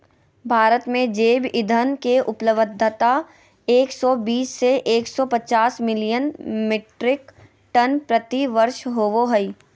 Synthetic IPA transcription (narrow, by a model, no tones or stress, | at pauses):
bʱaːɾət̪mẽd͡ʒeːbɪd̪ʱənkeʔʊpləʋəd̪ʱːət̪a | eːksɔːbiːsːeʔeːksɔpɐt͡ʃaːsmɪlɪjənmɪʈɾɪk | ʈɐnpɾɐt̪iʋəɾʃɦoʋoɦəi